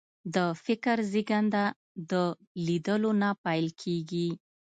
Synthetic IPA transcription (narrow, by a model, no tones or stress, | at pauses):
d̪əfɪkəɾziɡand̪a | d̪ə | lid̪əlonapajlkʰeɡi